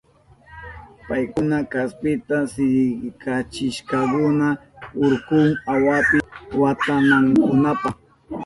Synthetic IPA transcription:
pajkʊnakaspɪt̪asɪɾɪkat͡ʃɪʃkakʊna | ʊɾkʊŋawapɪwat̪anaŋkʊnapɑχ

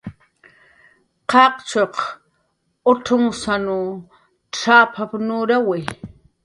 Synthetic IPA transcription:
qɑqt͡ʃoq | ʊʈ͡ʂʰʊŋsanu | ʈ͡ʂaːpʰapnuɾawɪ

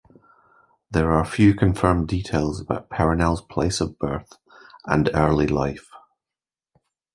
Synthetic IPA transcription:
ðə˞ə˞fjʉːkʰə̃ɱfɜ˞mdiʔʰeːlˠzəb̥a̰ʊʔpʰɛɹənɛlˠz̥pʰl̥eɪsəvbɜ˞θ | ʔə̰̃nɜ˞lˠilˠaɪf

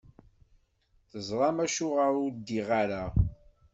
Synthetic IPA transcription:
θəzˤɾˤɑmæʃʊʁaɾʊɾd̪iʁaɾa

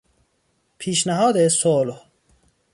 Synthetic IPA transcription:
pʰiːʃnæɦɒːd̪esoloh

